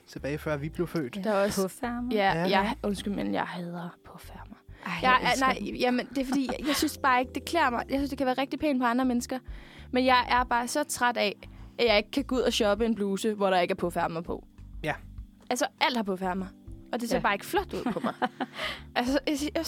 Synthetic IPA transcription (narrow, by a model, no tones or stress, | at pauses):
t͡sʰe̝b̥ɛːɪfɶɐ̰ʋib̥le̝ʊfø̰ːd̥d̥ɑɒ̽ssjæjɑ̈ɪɔnsɡ̥yl̩menjɑ̰ɪɦɛðˠɐpʰɔ̽fæɐmɑjɑɪnɑɪ̰jæmend̥e̝fɒ̽d̥ḭːjɑ̈ɪsynsb̥ɑ̈ːe̝ɡ̥əd̥e̝kʰlḛːɐmɑ̈ɪjɑsynsd̥ekʰæʋæːɐʁɛɡ̥̚d̥ipʰḛːnpʰɒ̽ɑ̈nd̥ʁɐmenəsɡ̥ɐmenjɑ̈ɪʔæɐb̥ɑ̈ːsɒ̽t͡sʰʁad̥ɛʔæ̥jɑ̈e̝ɡ̥əkʰːæɡ̥uð̞̰ˠæɕɒ̽b̥əe̝nb̥luːsəʋɒɾ̥ɑ̈e̝ɡ̥æɐpʰɒ̽fæɐ̰mɑ̈pʰɒ̽ | ʔælsɐʔæl̰d̥hɑ̈pʰɔ̽fæɐ̰ðmɑ̈ɪʔɒ̽d̥e̝seɐbɑ̈ːe̝ɡ̥əflɒ̽d̥uð̰ˠpʰɒ̽mɑ̈ɪ | ʔælsə